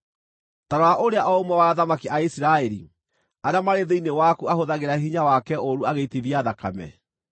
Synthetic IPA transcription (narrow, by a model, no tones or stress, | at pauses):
taɾɔwaʔoɾeaʔɔomwɛwaːðamakiʔaisiɾaɛɾi | aɾamaɾeðeinewakuahoðaɣeɾaɦiɲawakɛʔoɾuaɣeitiðiaðakamɛ̰